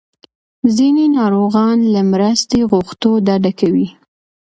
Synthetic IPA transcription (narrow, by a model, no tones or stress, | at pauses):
zinenɑɾoɣɑnlamɾast̪eɣuxt̪od̪aɖakawi